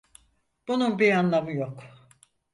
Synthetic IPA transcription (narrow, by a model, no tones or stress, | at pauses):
b̥ununbiɾanlˠamɯjok